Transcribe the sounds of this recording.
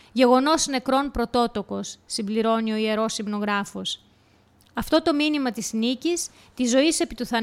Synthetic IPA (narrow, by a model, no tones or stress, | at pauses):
ʝe̞ɣo̞no̞sne̞kɾo̞npɾo̞t̪o̞t̪o̞ko̞sːimbliɾo̞nio̞ie̞ɾo̞sibno̞ɣɾɐfo̞s | ɐft̪o̞t̪o̞minimɐt̪isnicis | t̪izo̞ise̞pit̪uθɐ